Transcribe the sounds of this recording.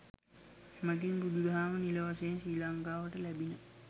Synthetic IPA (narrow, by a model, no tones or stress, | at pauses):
hmaɡinɡud̪ud̪ɦaːmənilɐʋaseːnsiːlaŋɡaːʋəʈəlɛbinə